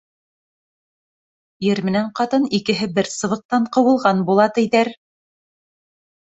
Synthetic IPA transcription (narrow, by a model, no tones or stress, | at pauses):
jɘɾmɘ̆næɴqɑt̪ɤnikɘ̆ɦɘbɘɾsɤ̆βɤ̆q̚t̪ɑɴqɤ̆wɤ̆lˠʁɑnbulˠɑt̪ɘ̆jðæɾ